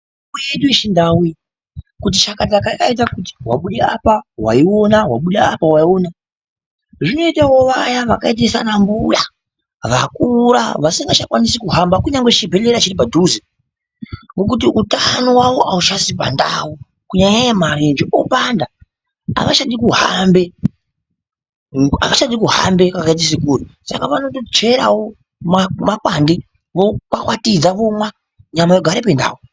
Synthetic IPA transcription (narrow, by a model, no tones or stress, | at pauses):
kweɗueʃindawi | kut̬it͡ʃakatakakait̬akuti̥wa̰ɓuɗea̰pawa̰io̞nawaɓuɗaapawaiona | ʐino̞itawo̞ʋajaʋakaet̬esanambuja̰ | ʋakuɾa̰ʋasiŋɡat͡ʃakwanisikuɦambakuɲaŋɡet͡ʃibʱeleɾat͡ʃiɾip̬aduzi | ŋɡo̞k̬ut̬iʔutanowawoʔaut͡ʃasipa̰nda̰wo | kuɲaɲajamarend͡ʒiʔopanda | a̰ʋaʃaɗikuɦambe̞ | a̰kaʃaɗikuɦa̰mbe̞kakait̬is̬ikurisa̰kaʋano̞tot͡ʃeɾawo | mamakwandi | ʋokwakwatid͡zaʋomwa | ɲamajoɡʱaɾepe̞nda̰ːwo